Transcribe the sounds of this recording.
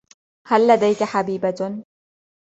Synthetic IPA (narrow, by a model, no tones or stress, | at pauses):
halːad̪ajkaħabiːba